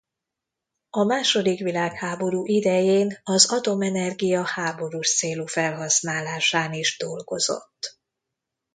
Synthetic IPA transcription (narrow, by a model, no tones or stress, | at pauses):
ɒmaːʃo̞d̪ikʋilaːkhaːbo̞ɾuːʔid̪ɛjeːnɒzɒt̪o̞mɛnɛrɡijɒhaːbo̞ɾuːʃt̪seːlufɛlɦɒsnaːlaːʃaːniʒd̪o̞lɡo̞zo̞̰t̪ː